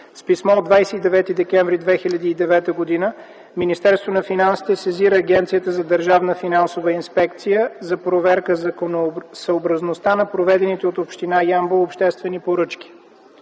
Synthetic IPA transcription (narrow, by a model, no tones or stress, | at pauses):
spismɔod̪vajsɛid̪ɛvɛt̪id̪ɛkɛɱvɾid̪vɛxilʲɐd̪iːd̪ɛvɛt̪əɡod̪inə | minist̪ɛɾst̪vonɐfinansi̥t̪ɛsɛziɾəːɡʲɛnt̪sijət̪əzɐd̪əɾʒavnəfinansovəinspɛkt̪sijəzɐpɾovɛɾkəzonsəobɾəznost̪anɐpɾovɛd̪ɛnit̪ɛot̪opʃt̪inajamboopʃt̪ɛst̪vɛnipoɾɤt͡ʃk̟i̥